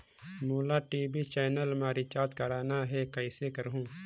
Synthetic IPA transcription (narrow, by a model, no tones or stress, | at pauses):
muːlaʈiːbit͡ʃɛːnəlmaːɾit͡ʃaːt̪kɐɾaːnaɦɛkɐɪsekəɾɦũː